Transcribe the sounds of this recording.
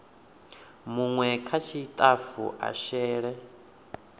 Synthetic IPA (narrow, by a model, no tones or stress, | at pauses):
muŋwɛkʰat͡ʃʰit̪ʼafṵʔa̰ʃɛːɺɛ